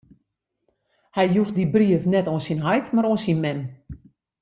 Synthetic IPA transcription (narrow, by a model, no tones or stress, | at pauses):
hɛjjuxdibriəfnɛtoənsinɦajtmaɾoənsinmɛm